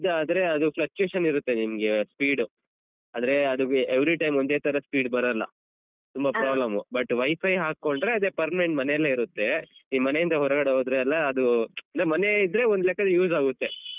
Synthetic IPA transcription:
id̪ɐaːd̪ɾe̞ɐd̪uflɐk̚t͡ʃjuːʃɐniɾut̪ːe̞nimɐɡe̞spiːɽu | aːd̪ɐɾe̞ɐd̪ueʋɾiʈɐjmond̪eːt̪ʰɐɾɐspiːɖbɐɾɐlːɐ̰ | t̪umbɐpɾaːblɐmubɐʈʋɐjpʰɐjɦaːkːo̞ɳɖɾe̞ɐd̪eːpɐɾmɐeɳʈmɐnejɐlːɐiɾut̪ːe̞iːmɐne̞jind̪ɐɦɔɾɐɡɐɽeɦoːd̪ɾeɐlːɐːd̪uɐnd̪ɾemɐne̞id̪ɾe̞ond̪lɛːkːɐd̪ujuːzaːɡut̪ːe̞

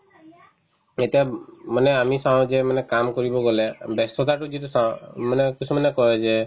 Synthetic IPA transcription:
et̪iamɔneamisãd͡ʒemanɛkamkɔɾibɔɡɔlebest̪ʰɔt̪aʈud͡ʒit̪usamanekit͡ʃʰumanekɔɦed͡ʒe

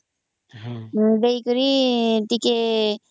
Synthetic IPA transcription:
bejkuɾiʈike

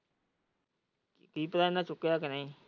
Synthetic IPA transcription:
kiːpəɾaːnãːt͡ʃʊkːejaːkənãĩː

